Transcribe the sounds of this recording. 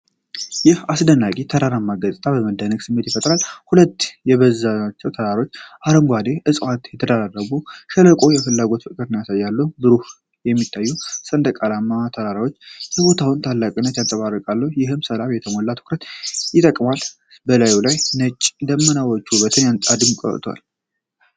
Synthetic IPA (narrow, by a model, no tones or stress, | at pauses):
jɪhasd̪ənːakʼit̪ʰəɾaɾamːaɡəsʼt̪ʰʼaβəməd̪ənəɡsɨmːet̪jɪfət̪ʼɾalhulət̪ːjɛβəzːaat͡ʃːɛwt̪ʰəɾaɾo̞t͡ʃːʔaɾəmɡʷad̪e̞ʔɨsʼwat̪jɛt̪ʰəd̪aɾrːəɡuʃələkʼo̞jɛfɨlːaɡo̞t̪fɨkʼɨɾnjasajːalːəbɨɾuh | jɛmːit̪ʼːajːusʼənd̪əkʼalamːat̪ʰəɾaɾawo̞t͡ʃːjɛbo̞t̪ʰawɨnt̪ʰalːakʼinːət̪jansʼəβarːəkʼalːəhjɪɦɨmsəlaβjɛt̪ʰəmolːat̪ʰɨ̥kɾət̪jɪt̪ʼəkʼmal | bəlajulajnət͡ʃʼːd̪əmːənawɔt͡ʃːubət̪ʰɨnjant̪ʼad̪ɨmkʼə̰ɾt̪ʰwa̰l